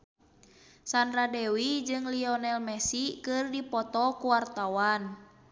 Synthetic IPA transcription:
sandɾadɛwid͡ʒɨŋliɔnɛlmɛsikɨrdipɔt̪ɔkuwart̪awan

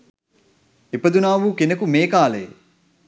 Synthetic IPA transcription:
epəd̪unaːʋuːkenəkumeːkaːləjḛ

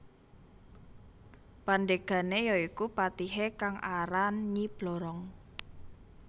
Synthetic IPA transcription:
pandeɡ̥ä̤nejɔikupat̪iɦekaŋʔaɾanɲib̥lɔ̤ɾɔŋ

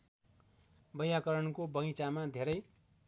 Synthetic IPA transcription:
bʌjakʌɾʌnkobʌjt͡samad̪ʱeɾʌj

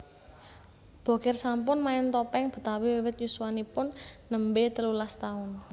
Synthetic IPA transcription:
b̥o̤kɪrsampʊnmaɛnt̪ɔpɛŋb̥ə̤t̪awiwewɪt̪̚jusuwanipʊnːəmbet̪əlulast̪aʊn

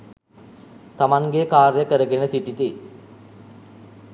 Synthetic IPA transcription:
t̪amaŋɡekaːɾjəkəɾəɡenəsiʈit̪i

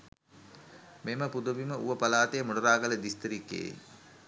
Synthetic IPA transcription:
meməpud̪uʋiməuʋəpɐlaːt̪ejəmuɖɐɾaːɡələd̪ist̪əɾikːḛː

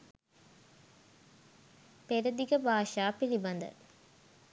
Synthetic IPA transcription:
peɾəd̪ikəbʱaːʂaːpilibɐnd̪ə̰

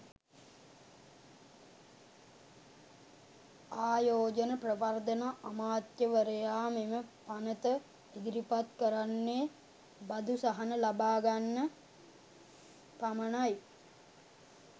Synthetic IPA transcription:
aːjoːd͡ʒənəprəpard̪ənaʔːmaːt̪jəʋəɾəjaːmeməpanət̪ə | iɡɾipat̪kəɾanːeː | bad̪ʱusaɦanəlabaːɡanːə | pamənaj

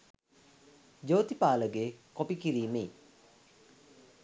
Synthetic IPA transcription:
d͡ʒoːt̪ipaːləɡeːkopikiɾiːmei

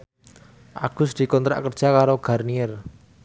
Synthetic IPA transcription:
ʔa̰ɡ̥ʊ̤sd̪̥i̤kɔnt̪ɾa̰ʔkərd̥ʒ̥a̤kaɾoɡ̥a̤rniɛr

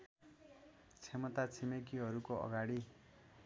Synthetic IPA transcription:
t͡sʰemʌt̪at͡sʰemek̬iɦʌɾukoʌ̰ɡaɽi

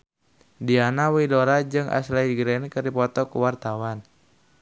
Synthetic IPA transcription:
dianawidoɾad͡ʒɨŋʔa̰slaiɡɾɛnkɨrdipɔt̪ɔkuwart̪awan

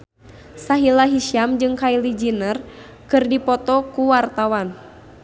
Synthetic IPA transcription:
saɦilaɦiʃiamd͡ʒɨŋkailid͡ʒinər | kɨrdipɔt̪ɔkuwart̪awan

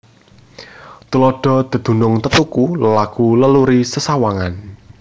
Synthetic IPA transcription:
t̪ulɔɖ̥ɔ̤d̪̥ə̤d̪̥ṳnʊŋt̪ət̪ukuləlakuləluɾisəsawaŋan

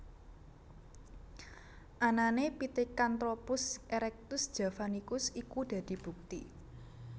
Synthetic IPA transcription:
ʔananepit̪ikant̪ɾopʊsʔeɾɛk̚t̪ʊsd̥ʒ̥a̤fanikʊsikud̪̥ä̤d̪̥i̤b̥ṳk̚t̪ḭ

